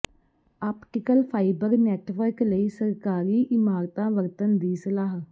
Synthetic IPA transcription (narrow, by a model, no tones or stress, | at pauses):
aːpʈɪkəlpʰaːibəɾnɛːʈʋəɾkləiːsəɾkaːɾiːʔɪmaːɾt̪ãːʋəɾt̪ənd̪iːsəlaːɦ